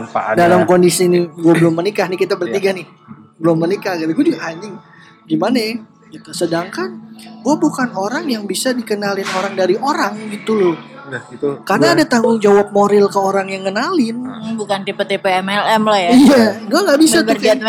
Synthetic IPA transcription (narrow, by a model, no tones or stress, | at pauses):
adalamkondisinɪɡuabəlʊmːənikahnɪhkit̪abərt̪iɡanɪh | bəlʊmːənikahɡat̪aɡuad͡ʒuɡahaɲd͡ʒɪŋ | ɡimanaja | kit̪usədaŋkanɡuabukanoɾaŋjaŋbisadikənalɪnoɾaŋdaɾioɾaŋɡit̪ulʊ | karnaːdat̪aŋɡʊŋd͡ʒawap̚moɾɪlkəoɾaŋjaŋːənalɪnbukant̪epet̪epeɛmɛlɛmlahjaijaɡuaŋɡaʔbisatk